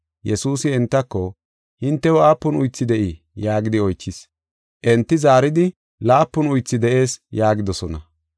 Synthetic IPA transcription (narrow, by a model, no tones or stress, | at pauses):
jɛsuːsɪɛnt̪ːɐkːɔ | hɪnt̪ːɛwɔaːpːʊnʊjt͡sːɪd̪ɛʔɪ | jaːɡɪd̪ɪɔjt͡ʃːɪs | ʔɛnt̪ːɪzaːɾɪd̪ɪ | laːpːʊnʊjt͡sːɪd̪ɛʔe̞ːsjaːɡɪd̪ɔsɔnɐ